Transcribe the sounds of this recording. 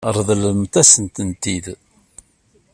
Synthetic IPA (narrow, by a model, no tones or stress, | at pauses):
ɾˤðˤləmt̪æsənt̪ənt̪ið